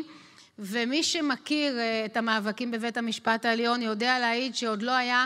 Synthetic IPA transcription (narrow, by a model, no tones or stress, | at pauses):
vemiʃemakiʁetamaːvakimbevethamiʃpataeljo̞njo̞dealeajidʃeo̞dlo̞aja